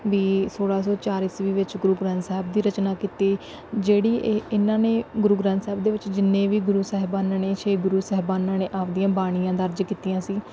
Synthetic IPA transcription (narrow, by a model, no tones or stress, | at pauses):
ʋiːsoːɽaːsɔːt͡ʃaːɾɪsʋiːʋɪt͡ʃɡʊɾuːɡɾãːnsɛːɦɪb̚d̪iːɾət͡ʃnaːkiːt̪iː | d͡ʒeːɽiːɪnːãːneːɡʊɾuːɡɾãːnt̪sɛːb̚d̪eːʋɪt͡ʃd͡ʒɪnːẽːʋiːɡʊɾuːsɛːɦɪbaːnãːneːt͡ʃʰeːɡʊɾuːsɛːɦbaːnãːneːʔaːʋd̪ijãːbaːɽ̃iːãːd̪əɾd͡ʒkiːt̪ijãːsiː